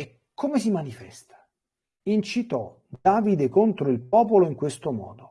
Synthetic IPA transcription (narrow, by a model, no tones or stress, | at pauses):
e | kʰːomesimanifɛ̰st̪ḁ | int͡ʃit̪ɔ | d̪aːvid̪ekont̪ɾoilpɔːpoloiŋkwest̪omɔ̰ːd̪o